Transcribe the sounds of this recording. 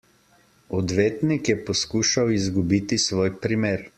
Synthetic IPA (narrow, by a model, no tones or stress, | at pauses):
ɔd̪ʋeːt̪nikjɛpɔskuːʃawizɡubiːt̪isʋoːjpɾimeːɾ